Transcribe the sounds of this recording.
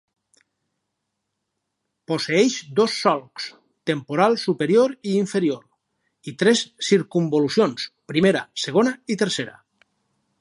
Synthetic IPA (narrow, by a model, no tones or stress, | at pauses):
poseɛʃd̪osːɔlˠks | t̪empuɾalˠsupeɾioɾiːɱfeɾioɾ | it̪ɾɛsːiɾkumbolusjonspɾimeɾa̰seɣ̞onait̪əɾseɾa̰